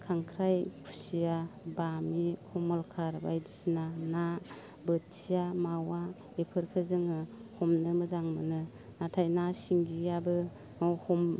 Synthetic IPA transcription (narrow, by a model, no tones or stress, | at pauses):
kʰaŋkʰɾajkʰusijabamikʰɔmɔlkʰaɾbajdisinana | bɯtsijamawa | epʰɯɾkʰɯzɯŋɯhɔmnɯmɯzaŋmɯnɯ | natʰajnasiŋɡiabɯ | ɔhɔm